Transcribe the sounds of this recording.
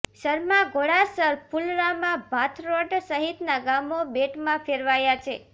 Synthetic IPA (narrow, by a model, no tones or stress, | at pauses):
ʃəɾmãɡoɭasəɾpulɾamãbʱat̪ʰɾoɖsəɦit̪naɡamobeʈmãfʰeɾʋajat͡ʃʰe